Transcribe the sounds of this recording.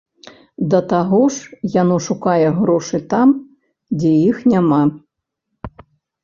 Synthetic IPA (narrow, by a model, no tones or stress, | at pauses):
d̪ɐt̪aɣɔʂjanɔʂukajɛɣɾɔʂɨt̪am | d͡zʲɛjixnʲama